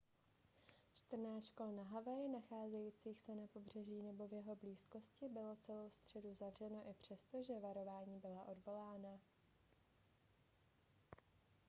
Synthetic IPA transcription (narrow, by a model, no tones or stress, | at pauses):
t͡ʃt̪r̩naːt͡ʃko̞lnaɦavajɪnaxaːzɛjiːt͡siːxsɛnapo̞br̝ɛʒiːnɛbo̞vjɛɦo̞bliːsko̞scɪbɪlo̞t͡sɛlo̞wst̪r̝̥ɛduzavr̝ɛno̞ʔɪpr̝̥ɛst̪o̞ʒɛvaɾo̞vaːɲiːbɪlaʔo̞dvo̞laːna